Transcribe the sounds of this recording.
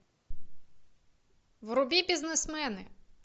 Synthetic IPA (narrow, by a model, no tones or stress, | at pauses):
wɾʊbʲibʲiznesmɛnɪ